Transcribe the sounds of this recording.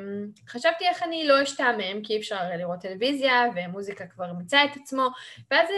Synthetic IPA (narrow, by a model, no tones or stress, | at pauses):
χaʃavt̪ie̞χanilo̞iʃtameemkiefʃaʁliʁo̞tːe̞levizjaveamuzikakvaʁimt͡saet̪at͡smo̞veaz